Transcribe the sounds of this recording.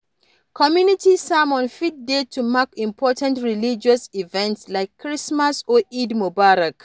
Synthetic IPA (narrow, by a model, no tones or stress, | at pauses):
kʰɔmjunitisamɔ̃nfit̚detʰumakĩmpʰɔtãntɹilid͡ʒɔsivɛ̃ntslaɪkʰːɹismasɔidmobaɾak